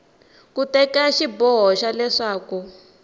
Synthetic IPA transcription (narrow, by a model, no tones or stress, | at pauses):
kutɛkaʃibɔɦɔʃalɛʂaːku